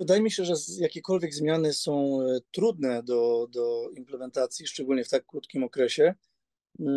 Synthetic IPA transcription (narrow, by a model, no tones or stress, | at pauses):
vɘd̪ajɛmʲiɕɛʐɛzjakʲɛkɔlvʲjɛɡzmʲjanɘsɔ̃w̃t̪ɾud̪nɛd̪ɔd̪ɔimplɛmɛnt̪at̪sʲjiʂt͡ʂɛɡulɲɛft̪akːɾut̪kʲimɔkɾɛɕɛ